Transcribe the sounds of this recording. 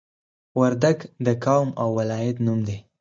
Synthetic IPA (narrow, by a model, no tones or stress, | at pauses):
waɾd̪aɡd̪əkawmawːalɑjat̪numd̪e